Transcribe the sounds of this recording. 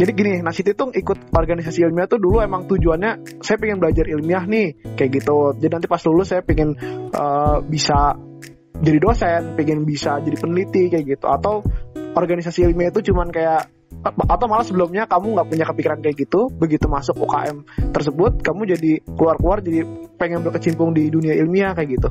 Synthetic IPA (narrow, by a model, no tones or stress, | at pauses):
d͡ʒadiɡinɪnahsit̪it̪ʊŋikʊt̪̚ɔrɡanis̬asiːlmiaht̪ʊduluemaŋt̪ud͡ʒuanɲasajapiŋɪnbəlad͡ʒarilmiahnɪhkajaʔɡit̪ud͡ʒadinant̪̬ipaslulʊsajapiŋɪnʔəːbisa | d͡ʒadidosɛnpiŋɪnbisad͡ʒadipənəlit̪ikajaɡit̪ṵat̪awʔɔrɡanisasiːlmiait̪ut͡ʃumankajaʔ | ʔat̪awmalasəbəlʊmɲakamuŋɡaʔpuɲakəpikiɾankajaʔ̚ɡit̪ubəɡit̪umasʊko̰ka̰ʔɛmt̪ərs̬əbʊt̪̚kamud͡ʒadikəluarkəluard͡ʒadipeŋɛnbərkət͡ʃimpʊŋdiduniailmiakajaʔɡit̪u